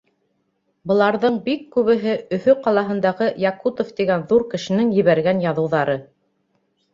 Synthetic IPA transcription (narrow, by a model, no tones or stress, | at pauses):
bɤ̆lˠɑɾðɤɴbikːʉβɘ̆ɦɘɵ̆θɵqɑlˠɑɦɤ̆nd̪ɑʁɤjɑkut̪oft̪iɡænðuɾkɘ̆ʃɘ̆nɘŋjɘ̆βæɾɡænjɑðɤ̆wðɑɾɤ